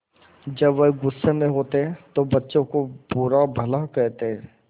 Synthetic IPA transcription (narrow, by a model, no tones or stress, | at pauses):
d͡ʒɐbʋeɦɡʊsːemẽɦoːt̪eɦɛ̃t̪obɐtːʃõkopuːɾabʱɐlakɛɦt̪eɦɛ̃